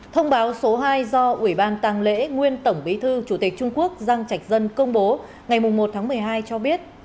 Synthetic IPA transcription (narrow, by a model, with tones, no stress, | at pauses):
t̪ʰə˧wŋ͡mɓaː˨˦wso˨˦ɦaː˧jzɔ˧ʔwi˧˩ɓaː˧nt̪aː˧ŋlḛ˧˥ŋwi˧ənt̪ə˧˩wŋ͡mɓi˨˦t̪ʰɨ˧t͡ɕu˧˩t̪i˨˩k̚t͡ɕʊ˧ŋ͡mku˦˥ək̚zaː˧ŋt͡ɕa˨˩jk̚zə˧nkə˧wŋ͡mɓo˨˦ | ŋa˨˩jmʊ˨˩ŋ͡mmo˨˩t̚t̪ʰaː˨˦mɨ˨˩əjɦaː˧jt͡ɕɔ˧ɓi˦˥ət̚